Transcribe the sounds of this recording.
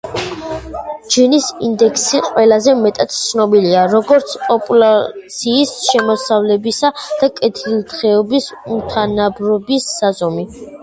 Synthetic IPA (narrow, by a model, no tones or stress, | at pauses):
d͡ʒinisind̪ɛkʰsiqʼwɛlazɛmɛt̪ʼat̪ʰt̪sʰnɔbiliaɾɔɡɔɾt̪sʰpʼɔpʼulˠatt̪sʰiːsʃɛmɔsavlɛbisad̪̥akʼɛt̪ʰilˠt̪ʰχɛɔbisumt̪ʰanabɾɔbisːazɔmi